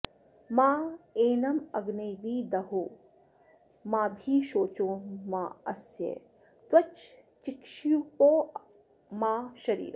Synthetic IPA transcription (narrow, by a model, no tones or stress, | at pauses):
maːeːnɐmɐɡnɐjʋiːd̪ɐɦu | maːbʱiːʃoːt͡ʃoːmaːɐsjḛ | t̪wɐt͡ʃt͡ʃikʃiupoː | maːʃɐɾḭːɾɐ